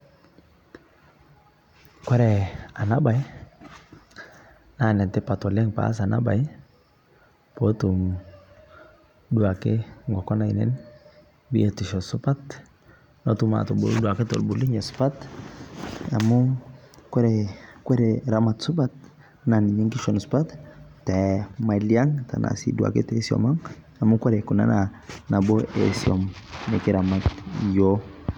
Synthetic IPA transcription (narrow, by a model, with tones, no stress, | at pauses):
kwɛ˦ɾɛ˨a˨na˦ba˨j | na˨nɛ˨ntɛ˦pa˨tɔ˨lɛ˦ŋpa̰˦s̬a˨nʔa̰˦ba̰˨j | po˦tu˨m | du˨a˨ke˦ŋɡɔ˨kɔ˦na˨i˨nɛ̰˦n | bi˦e˨tu˨ʃɔ˨su˦pa˦t | notuma̰to˨bṵ˨ldua˨ke˦to̰˨lbu˨li˦ɲɛ˨su̥pa˦t | a̰˨mu˦kwe˦ɾe˨kwe˦ɾe˨ɾama˨tsu˦pa˦t̪̚ | na˨ni˨ɲi˦ŋki˦ʃɔ˨nspa˦ttɛ˨ma˨lia˦ŋta̰˨nʔa̰sḭ˦dua̰˨kḛ˦te˦siɔ̰˨ma˦ŋ | a˨mu˦kɛ˦ɾe˨ku˨na̰˦na˨na˨bo˦ʔḛ˨siɔ̰˨mne˨ki˦ɾa˨ma˨tjo